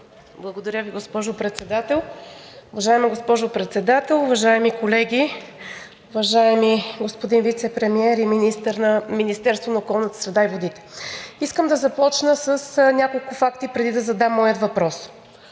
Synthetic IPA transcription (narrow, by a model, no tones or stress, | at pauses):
blˠɐɡod̪ɐɾʲəviɡospɔʒʊpɾɛt̪sɛd̪at̪ɛlˠʊvɐʒaɛmiɡospɔʒʊpɾɛt̪sɛd̪at̪ɛlˠʊvɐʒaɛmikolɛɡʲi | ʊvɐʒaɛmiɡospod̪invit̪sɛpɾɛmiɛɾiminist̪əɾnəminist̪ɛɾst̪vonɐokɔlˠnət̪ə̥sɾɛd̪aivod̪it̪ɛ̥iskəmd̪ɐzɐpɔt͡ʃnəsəsnʲakolˠkʊfakt̪ipɾɛd̪id̪ɐzɐd̪amːɔjət̪vɐpɾɔs